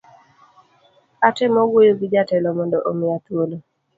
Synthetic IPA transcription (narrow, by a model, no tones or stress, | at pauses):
atɛmɔɡwojoɡid͡ʒatɛlɔmɔndɔʔomɪat̪wolo